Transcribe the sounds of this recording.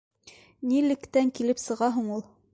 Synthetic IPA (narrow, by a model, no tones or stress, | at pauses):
nilɘ̆kt̪æŋkilɘpsɤ̆ʁɑɦuɴulˠ